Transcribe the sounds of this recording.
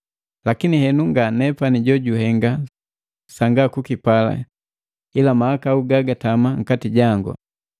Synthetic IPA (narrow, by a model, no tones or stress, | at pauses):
lakinihɛnuŋɡanɛpaniɟɔɟuɦɛŋɡa | saŋɡakukipala̰ | ilamaakauɡaɡatamaŋ̩katiɟaŋɡṵ